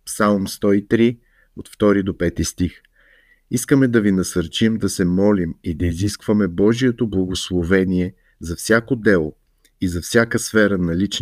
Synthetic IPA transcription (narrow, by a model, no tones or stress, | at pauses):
psalˠmst̪ɔit̪ɾi | ot̪ft̪ɔɾid̪opɛt̪ist̪ix | iskəmɛd̪ɐvinɐsɐɾt͡ʃimd̪ɐsɛmɔlimid̪ɐiziskvəmɛbɔʒijɛt̪oblˠɐɡoslˠovɛniɛ | zɐfsʲakod̪ɛlˠo | izɐfsʲjakəsfɛɾənɐlit͡ʃ